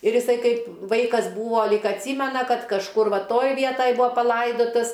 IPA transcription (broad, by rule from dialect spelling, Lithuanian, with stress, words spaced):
ɪr ɪˈsɐɪ ˈkɐɪp ˈʋɐɪkɐs ˈbuːʋoː ˈlʲiːk ɐtʲˈsʲiːmʲɛnɐ ˈkɐt kɐʃˈkʊr ˈʋɐ ˈtoːj ˈʋʲiɛtoːj ˈbʊɐ pɐˈlˠɐɪdoːtɐs